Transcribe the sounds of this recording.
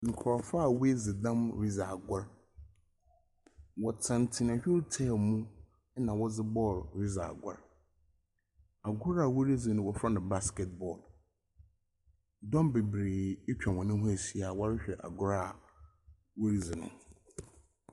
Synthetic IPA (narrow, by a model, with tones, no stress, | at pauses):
ŋ̩˨kʰɔ˨fa˦˨we˦d͡zɪ˨dã˦mɾi˦za˨ɡa˦ɾ | wɔ˨tʰã˨n˨tʰɪ̃˨nã˨ɕᶣɪ˦ɾtʰɛ˦˨mũ˦ | ɛ˦nã˨wɔ˦d͡zɪ˦bɔː˦˨lɾi˦za̰˨a̰˨ɡʷa̰˦ɾ | a˨ɡʊ˦ɾa˨wo˦ɾi˦d͡zɪ˨nʊ̃˦wɔ˨fɾa˦nã˨ba˦skɛ˦t̚bɔ˨l | dɔ̃˦mbe˨bɾeː˨ɪ˦t͡ɕᶣã˨wɔ̃˨nɪ̃˦ɦʊ̃˦e˨si˨a˨wɔ˦ɾɪ˦ɕᶣɛ˨ʔa̰˨ɡʊ˦ɾa˦˨ | wo˦ɾi˦d͡zɪ˨nʊ̰̃˦